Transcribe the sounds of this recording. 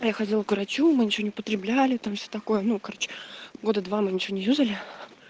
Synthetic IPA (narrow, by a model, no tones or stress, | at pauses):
ajaxɐdʲilˠəkɾɐt͡ɕumɨnʲɪt͡ɕɪvonɪʊpət̪ɾʲɪblʲælʲɪt̪amfsʲot̪ɐko̞jənukɐɾo̞t͡ɕːɪ̥ɡo̞d̪əd̪vamɨnʲɪt͡ɕɪvʲonʲɪjʲuzəlʲɪ